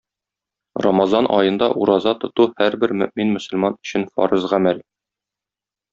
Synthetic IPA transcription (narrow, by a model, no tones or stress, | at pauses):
rɑ̰mɑzɑnʔɒjɤ̆nd̪ɑ̰ʔuɾɑzɑt̪ŏt̪uhæɾbɘɾmɵ̆ʔminmɵ̆sɵ̆lmɑnɵ̥̆ɕɘnfɒ̰ɾɤzʁæmæl